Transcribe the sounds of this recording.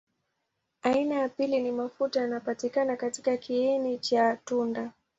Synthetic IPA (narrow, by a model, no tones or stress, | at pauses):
ainajapilinimafutajanapatikanakatikakiɛnit͡ʃatunda